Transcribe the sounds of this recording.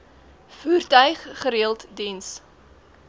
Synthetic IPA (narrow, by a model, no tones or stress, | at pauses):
fuːrtœɥχːəɾiəlˠtdins